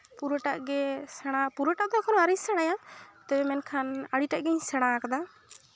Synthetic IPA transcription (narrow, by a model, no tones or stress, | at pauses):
puɾɔʈaʔɡɛsɛɽ̃apuɾoʈaʔd̪ɔkʰɔnɔaɾisɛɽ̃ajat̪ɛbɛmɛnkʰanaɽiʈaʔɡɛɲsɛɽ̃akad̪a